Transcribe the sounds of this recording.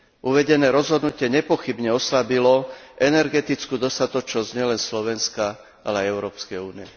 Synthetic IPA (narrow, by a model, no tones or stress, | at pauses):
ʔuʋɛɟɛnɛːɾɔzɦɔd̪nucɪɛɲɛpɔxibɲɛɔslabilɔʔɛnɛɾɡɛt̪it͡skuːd̪ɔst̪at̪ɔt͡ʃnɔzɲɪɛlɛnslɔʋɛnska | ʔalɛajɛʊɾɔːpskɛjuːniɛ